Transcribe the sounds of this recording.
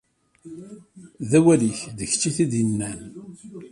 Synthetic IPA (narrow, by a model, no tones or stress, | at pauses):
ðæwæliçðəçt͡ʃːiθiðjənːæn